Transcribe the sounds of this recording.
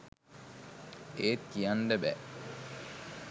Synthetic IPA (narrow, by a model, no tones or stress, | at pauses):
eːt̪ijanɖəbæ̰